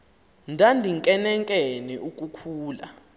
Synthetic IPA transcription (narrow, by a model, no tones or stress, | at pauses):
ndʱandʱiŋkʼɛnɛŋkʼɛniʔuk̬ʼukʰuːla̰